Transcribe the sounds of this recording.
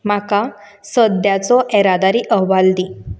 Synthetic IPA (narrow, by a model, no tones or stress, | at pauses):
maka | səd̪jat͡sɔʔɛɾad̪aɾiːʔəɦʋald̪i